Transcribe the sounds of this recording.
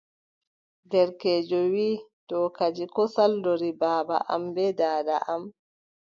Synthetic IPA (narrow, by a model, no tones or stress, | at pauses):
dɛɾkɛːd͡ʒɔwiːtɔkad͡ʒikɔsaldoɾibaːba̰ʔa̰mbɛdaːda̰ʔam